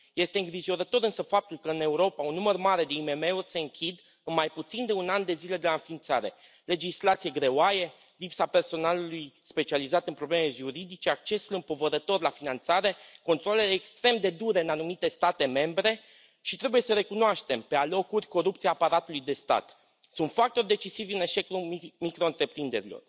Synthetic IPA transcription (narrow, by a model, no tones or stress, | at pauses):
je̞st̪eɨŋɡɾiʒo̞ɾət̪o̞ɾɨnsəfap̚t̪ulkəɨne̞uɾo̞paunːumərmaɾe̞d̪e̞ime̞me̞urʲse̞ɨŋkʲʰid̪ | ɨnmajput̪sind̪e̞unand̪e̞zile̞d̪elaɨnfint̪saɾe̞̰ | le̞d͡ʒislat̪sijeɡɾe̞oaje̞ | lipsape̞rso̞nalulujspe̞t͡ʃializat̪ɨnpɾoble̞me̞ʒuɾid̪it͡ʃe̞ak̚t͡ʃe̞sulɨmpo̞vəɾət̪o̞rʲlafinant̪saɾe̞ko̞nt̪ɾole̞leːkst̪ɾe̞md̪e̞d̪uɾe̞ɨnanumit̪e̞st̪at̪e̞me̞mbɾe̞ | ʃit̪ɾe̞buje̞səɾe̞kunoaʃt̪e̞mpe̞alo̞kurʲko̞ɾupt̪siaːpaɾat̪ulujd̪e̞st̪a̰t̪ | sunt̪fak̚t̪o̞rd̪e̞t͡ʃisivʲɨne̞ʃe̞kulmikɾo̞nt̪ɾe̞pɾind̪e̞ɾilo̞̰r